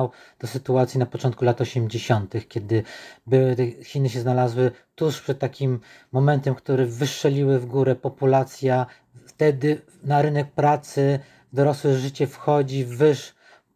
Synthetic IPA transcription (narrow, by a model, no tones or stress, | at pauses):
wd̪̥ɔsɘt̪uat̪sʲjinapɔt͡ʂɔnt̪̚kulat̪ɔɕɛmd͡ʑeɕɔnt̪ɘxkʲɛd̪ɘbɘwɘt̪ɛxʲinɘɕ̬ɛznalazwɘt̪uʂpʂɛt̪̚ːakʲimː | ɔmɛnt̪ɛmkt̪uɾɛvɘʂt͡ʂɛlʲiwɘvɡuɾɛpɔpulat̪sʲja | ft̪ɛd̪ɘ | naɾɘnɛk̚pɾat̪sɘ | vd̪ɔɾɔswɘʐɘt͡ɕɛfxɔd͡ʑivɘʂ